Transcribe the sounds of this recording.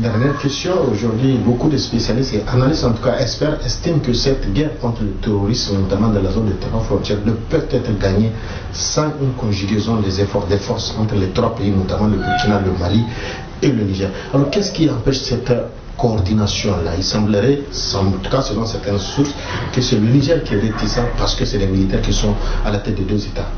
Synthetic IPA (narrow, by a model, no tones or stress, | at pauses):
d̪ɛʁnjɛʁkɛst̪jɔ̃oʒuʁd̪ɥibokud̪əspesjalist̪eʔanalist̪ɑ̃nt̪u̥kaɛspɛʁɛst̪imkəsɛt̪ɡɛʁkɔ̃t̪ɾlət̪eɾoɾismnot̪amɑ̃d̪ɑ̃lazond̪et̪eɾwafɾɔ̃nt̪jɛʁnəpœvt̪ɛt̪ɾɡaɲe | sɑ̃ynkɔ̃ʒyɡɛzɔ̃d̪ɛzefɔʁd̪ɛfɔʁsɑ̃t̪ɾlet̪ɾwapeinot̪amãləbukinaləmali | eləniʒɛʁ | alɔɾkɛskiãpɛʃsɛt̪ | koɔɾd̪inasjɔ̃lailsãbləɾɛsɑ̃mt̪u̥kasəlɔ̃sɛɾt̪ɛ̃nsuɾs | kəsɛləniʒɛʁkiɛɾet̪isãpaɾsə̥køsɛdɛmilitɛɾkisɔ̃alat̪ɛt̪̚d̪ed̪øzet̪a